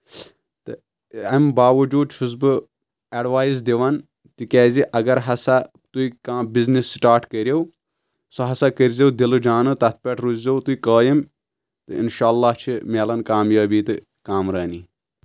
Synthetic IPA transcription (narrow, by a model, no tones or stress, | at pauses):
t̪ɨ | ɐmbaːʋɐd͡ʒuːd̪̚t͡ʃʰus̬bɨ | ɐɖʋaːjizd̪iʋɐn | t̪ikʲɛːziʔɐɡɐɾɦɐsa | t̪uikãːbiznisːʈaːɾʈkɐɾʲjew | sɐɦɐsakəɾʲzʲewd̪ilud͡ʒaːnɨt̪ɐt̪̚ʰpʲɐʈʰɾuzzewt̪uikaːjim | t̪ɨḭnʃaːlːaːht͡ʃʰimeːlɐnkaːmjaːbiːt̪ɨ | kaːmɾɐːni